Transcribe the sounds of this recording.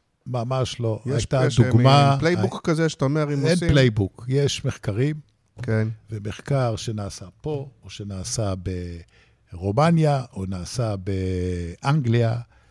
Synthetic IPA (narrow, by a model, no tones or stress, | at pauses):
mamaʃlo̞jajt̪ad̪uɡmalejbukkazeʃataomeʁimenplejbukjeʃme̞χkaʁim | kenveme̞χkaʁʃe̞naːsapo̞oʃe̞naːsabe | ʁomanjaʔonaːsabeʔaŋɡlia